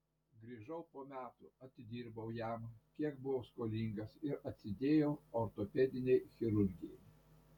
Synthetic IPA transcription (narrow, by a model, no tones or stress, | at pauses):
ɡɾʲiːʒɐʊpoːmʲæːt̪ʊɐt̪ʲɪd̪ʲiːɾbɐʊjæmkʲiɛk̚bʊʋoːskoːlʲiŋɡɐsɪɾɐt̪ʲsʲɪd̪ʲeːjɛʊoɾt̪oːpʲɛd̪ʲɪnʲeɪxʲɪɾʊɾʲɡʲɪjɛɪ